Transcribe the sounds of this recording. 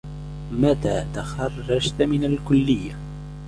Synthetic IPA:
mat̪aːt̪axɑrˤːɑd͡ʒt̪mɪnalkʊlːɪjːa

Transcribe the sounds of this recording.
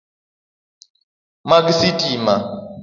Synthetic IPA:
mak̬isitʼima

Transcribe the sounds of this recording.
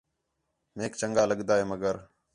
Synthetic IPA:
meːkt͡ʃəŋɡaːləɠd̪aːɦeːməɡəɾ

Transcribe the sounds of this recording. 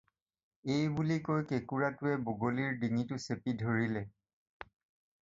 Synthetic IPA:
ejbulikojkekuɹatʊɛboɡoliɹdiŋitʊsepidʱoɹilɛ

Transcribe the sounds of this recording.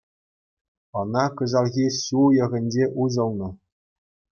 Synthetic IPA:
ɤ̆nɑkɤ̆zɑlˠɣʲisujɤ̆ʁʲɘ̆nʲd͡ʑeʔuzɤ̆lˠnɤ̆

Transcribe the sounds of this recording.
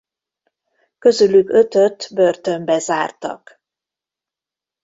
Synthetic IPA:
kø̞zylyɡø̞t̪ø̞t̪børt̪ømbɛza̰ːrt̪ɒ̰k

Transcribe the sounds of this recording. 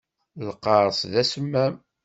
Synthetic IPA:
ləqːɑɾˤsðæsəmːæm

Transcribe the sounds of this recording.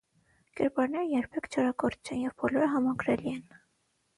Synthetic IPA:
kɛ̰ɾpɑɾnɛɾəjɛɾpʰɛkʰt͡ʃʰɑɾɑkɔɾt͡ʃʰɛnjɛvbɔlɔɾəɦɑmɑɡɾɛliɛn

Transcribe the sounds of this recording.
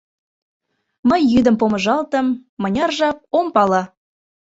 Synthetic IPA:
məjːyd̪ə̆mpomə̆ʒɑlt̪ə̆mːə̆nʲɑrʒɑp̚ompɑlɑ

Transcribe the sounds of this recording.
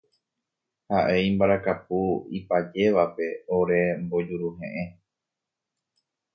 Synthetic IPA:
haʔe̞ĩmbaɾakapuipad͡ʒe̞ʋape̞oɾe̞mbo̞d͡ʒuɾuɦḛ̃ʔẽ

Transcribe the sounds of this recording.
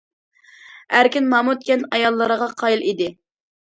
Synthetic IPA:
æɾkʲinmɑmut̪̚kʲɛnɑjɑlˠːəɾəʁɑqʰɑjilˠʔid̪ɪ

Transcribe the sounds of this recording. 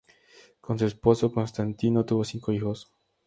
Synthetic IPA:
kons̬uesposokonst̪ant̪inot̪uβosiŋkoixos

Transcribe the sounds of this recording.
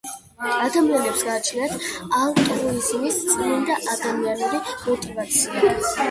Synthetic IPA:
ad̪amianɛpsɡaːt͡ʃʰlinat̪ʰalt̪ʼɾɔizmist̪sʼlind̪aʔad̪amianuɾimɔt̪ʼivat̪sʰia

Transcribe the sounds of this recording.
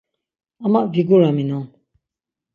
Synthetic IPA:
amaʔviɡuɾaminɔŋ

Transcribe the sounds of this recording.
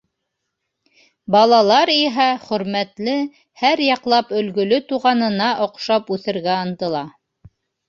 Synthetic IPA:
bɑlˠɑlˠɑɾiɦæχɵ̆ɾmæt̪lɘ | hæɾjɑqlˠɑpɵ̆lɡɵ̆lɵt̪uʁɑnɤ̆nɑʔŏqʃɑpʉθɘ̆ɾɡæɑnt̪ɤ̆lˠɑ

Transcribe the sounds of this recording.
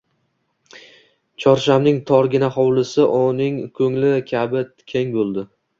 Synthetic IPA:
t͡ʃʰɒɾʃamnɪŋt̪ʰɒɾɡʲɪnaχɒwlɪsɪʔʊnɪŋkʲʰɵŋlɪkʲʰabɪ | kʲʰe̞ŋbolˠd̪ɪ

